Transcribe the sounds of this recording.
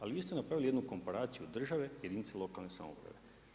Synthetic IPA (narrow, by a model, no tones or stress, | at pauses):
aliʋiːst̪enapɾaʋilijed̪nuko̞mpaɾaːt̪sijud̪r̩ʒaʋe̞je̞d̪init̪selo̞kalˠne̞sa̰mo̰pɾa̰ʋe̞